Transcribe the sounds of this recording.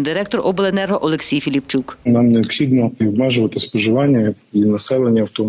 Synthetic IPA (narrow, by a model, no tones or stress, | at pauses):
d̪ɪɾɛk̚t̪ɔrʔɔblˠenɛrɦɔʔɔlˠeksʲijfʲilʲipt͡ʃuknamneɔp̪xʲid̪nɔiɔbmɛʒʊʋɐt̪ɪspɔʒɪʋɑnʲːɐ | inɐsɛlˠenʲːɐɐwt̪ɔ